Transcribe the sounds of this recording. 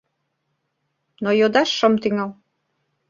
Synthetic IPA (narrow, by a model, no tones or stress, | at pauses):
nojod̪ɑʃːə̆mt̪iŋɑl